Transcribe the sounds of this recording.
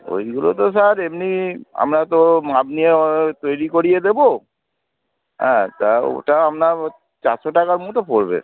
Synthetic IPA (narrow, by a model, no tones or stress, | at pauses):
o̰jɡulot̪̬osaɾemnia̰mɾat̪omabnijet̪ojɾikoɾied̪ebo | ɦɛ̰̃t̪ao̰ʈaamna | t͡ɕaɾʃoʈakaɾmut̪opoɾbḛ